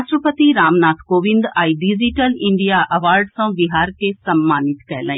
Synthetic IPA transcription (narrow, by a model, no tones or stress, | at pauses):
ʃɾəpət̪iɾaːmnaːt̪ʰkoːʋɪ̃nd̪aːiɖid͡ʒiʈəlɪ̃ɳɖijaʔɐʋaːɾɖsɐ̃ʋiɦaːɾkesɐmːaːnit̪kɛjlã